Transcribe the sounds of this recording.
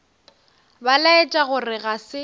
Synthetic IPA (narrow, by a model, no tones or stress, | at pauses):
balaɪt͡ʃʼaɣʊrɪɣasɪ